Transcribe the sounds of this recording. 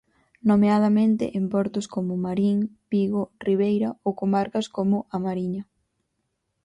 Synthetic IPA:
nomeað̞ɐmẽnt̪ɪ̰ʔempɔɾt̪ʊskomʊmaɾiŋpiɣoriβ̞ejɾɐowkomaɾkɐskomʊʔamaɾiɲɐ

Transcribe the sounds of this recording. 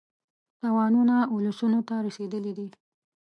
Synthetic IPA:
t̪awɑnunaʊlasunot̪aɾased̪əlid̪i

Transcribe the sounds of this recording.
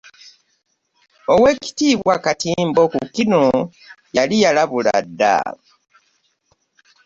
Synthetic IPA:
owe̞ːci̥tiːβwakatiːmbo̞kukino | jalijalaβula̰dːa̰

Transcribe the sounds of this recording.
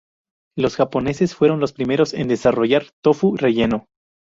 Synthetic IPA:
lo̞sxapo̞ne̞se̞sfwe̞ɾo̞nlo̞spɾime̞ɾo̞se̞̰nd̪e̞saro̞ʝaɾt̪o̞fure̞ʝe̞no̞

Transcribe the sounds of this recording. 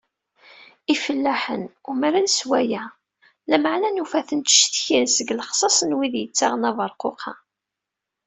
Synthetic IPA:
ifəlːæħə̰numəɾænswæjæ | læməʕnænufæθənt̪ʃt̪çinsəɡlχsˤɑsˤənwiðjət͡sːaʁənɑvəɾˤqoqʰɑ

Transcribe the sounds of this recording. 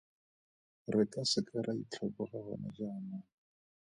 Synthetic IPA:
rɪkʼasɪkʼaɾʔait͡ɬʰɔbɔχaɣɔ̰nad͡ʒaːna

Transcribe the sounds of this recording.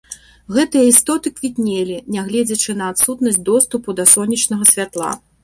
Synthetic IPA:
ɣɛt̪ɨjɐist̪ɔt̪ɨkvʲit̪ʲnʲelʲinʲɛɣlʲɛd͡zʲɐt͡ʂɨnɐat̪sut̪nɐsʲtʲd̪ɔst̪upud̪ɐsɔnʲit͡ʂnɐɣɐsʲvʲat̪lˠa̰

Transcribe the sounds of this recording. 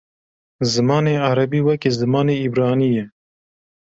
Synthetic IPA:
zɨmɑːneːaɾɐbiːwɛkezɨmɑːneːibɾɑːniːjɛ

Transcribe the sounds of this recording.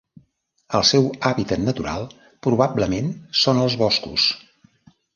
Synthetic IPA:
əlˠsɛwaβit̪ət̪nət̪uɾa̰lˠ | pɾuβabləmensonəlˠzβɔskṵs

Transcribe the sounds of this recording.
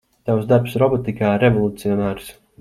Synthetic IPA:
t̪awzd̪aɾpsɾɔbɔt̪ikaːɾɛvɔlˠut̪siɔnaːɾs

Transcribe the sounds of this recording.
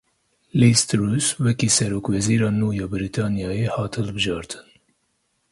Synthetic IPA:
liːst̪ɾuːswɛkiːsɛɾoːkwɛziːɾɑːnuːjɑːbɨɾit̪ʰɑːnjɑːjehɑːt̪ʰhɨlbɨʒɑːɾt̪ʰɨ̥n

